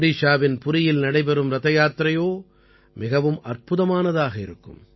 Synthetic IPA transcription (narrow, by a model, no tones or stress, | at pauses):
ɾiːʂaːʋɪnpʊɾɪjɪlnɐɽɐɪp̬ɛɾɯmɾɐðɐjaːt̪ɾɐjoː | mɪɣɐʋɯmʔɐrpɯðɐmaːnɐðaːɣɐɪ̰ɾɯkːɯ̰m